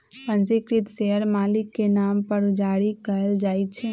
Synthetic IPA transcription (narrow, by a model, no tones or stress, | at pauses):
pə̃nsɪkɾit̪seɦəɾmaːlɪkːenampəɾd͡ʒaɽikəəld͡ʒaːjt͡ʃʰɛ